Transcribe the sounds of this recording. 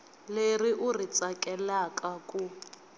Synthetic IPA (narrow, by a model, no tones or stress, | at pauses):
leriʔurit͡sʼakʼɛlakʼakʼu